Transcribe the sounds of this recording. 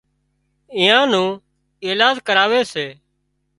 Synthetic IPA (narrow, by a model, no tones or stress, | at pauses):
ɪ̃ːãːnũː | eːlaːd͡ʒkəɾaːʋeːseː